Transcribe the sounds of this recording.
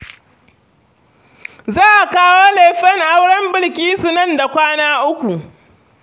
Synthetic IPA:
zaː˦ʔa˨kaː˦woː˦le˨ɸɐ˦ŋʔa˦wɽɐ˦mbɪ˦˨lkʲiː˦su˨nɐ˦˨nda˨kʷaː˦naː˦ʔʊ˦kʷu˨ʔ

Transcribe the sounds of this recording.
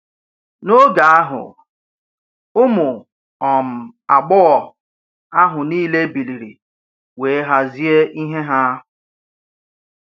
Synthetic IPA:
no˦ɡa˨a˦ɦʊ̰˨ | ʊ˦mʊ˨ | ɔ˨m̩˨a˨ɡ͡bʊ˦ɣɔ˨ | a˦ɦʊ˨niː˦le˦bi˨li˨ɾḭ˨ | we˨˦ɦa˦zi˦e˦ʔi˦ɦe˦ɦa˦a˦ɦʊ˨

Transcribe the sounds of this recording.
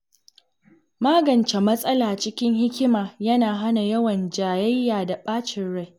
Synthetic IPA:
maː˦ɡɐ˨nt͡ʃe˨mɐ˦sʼɐ˦laː˨t͡ʃɪ˦kʲɪ˦ŋɦɪ˦kʲɪ˦maː˨jɐ˦naː˨ɦa˦na˨jɐ˦wɐ˨nd͡ʒaː˨jɐ˦jːaː˨da˨ɓaː˦t͡ʃɪ˨nɽa˦˨j

